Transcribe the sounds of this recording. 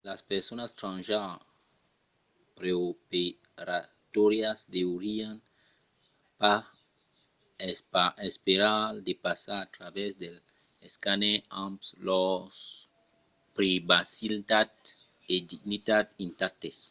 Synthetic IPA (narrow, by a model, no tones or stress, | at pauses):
laspeɾsonast̪ɾãnʒa | pɾeope | ɾa | t̪oɾjasd̪ewɾian | pa | saespeɾald̪epasaɾat̪ɾaβɛzd̪el | eskaneãmpslos | pɾibasilt̪ad̪ | ed̪iɡnit̪at̪ĩnt̪at̪es